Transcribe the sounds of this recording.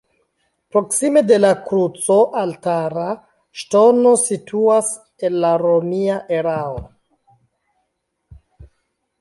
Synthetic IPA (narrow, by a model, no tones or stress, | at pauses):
pɾo̞ksime̞de̞lakɾut͡so̞ʔaltaɾa | ʃto̞no̞sitʰuas | e̞nlaɾo̞miaʔeɾao